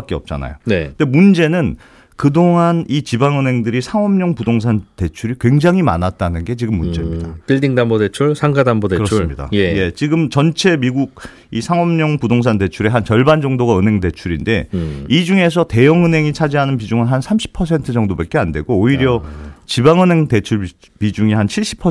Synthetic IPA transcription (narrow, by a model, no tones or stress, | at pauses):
ak͈eʌp̚t͡ɕ͈a̰na̰jonendemund͡ʑe̞nɯn | kɯdoŋɦanit͡ɕibaŋɯnɦe̞ŋdɯɾisʰaŋʌmɲʌŋpudoŋs̬ʰante̞t͡ɕʰuɾikwe̞ŋd͡ʑaŋɦima̰nat̚t͈anɯnɡe̞t͡ɕiɡɯmːund͡ʑe̞mɲidaatiɭdiŋdambodet͡ɕʰuɭsʰaŋɡadambodekɯɾʌɯmɲida̰jeje̞t͡ɕiɡɯmt͡ɕʌnt͡ɕʰe̞miɡuɡ̚ | isʰaŋʌmɲʌŋpudoŋs̬ʰante̞t͡ɕʰuɾe̞ɦant͡ɕʌɭband͡ʑʌŋdoɡaɯnɦe̞ŋde̞t͡ɕʰuɾinde̞id͡ʑuŋe̞s̬ʰʌte̞jʌŋɯnɦe̞ŋit͡ɕʰad͡ʑiɦanɯnpid͡ʑuŋɯnɦansʰamɕʰi̥pʰːʌs̬ʰe̞ntʰɯd͡ʑʌŋdobek͈eande̞̰ɡooiɾjʌt͡ɕibaŋɯnɦe̞ŋte̞t͡ɕʰuɭ | pid͡ʑuŋiɦant͡ɕʰiɭɕ͈i̥pʰʌ